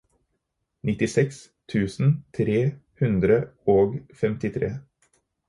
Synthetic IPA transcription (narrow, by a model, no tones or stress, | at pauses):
nɪt̪ɪsɛks | t̪ʰʉːsn̩t̪ʰɾeːhʉnd̪ɾəoːɡfɛmt̪ɪt̪ʰɾḛː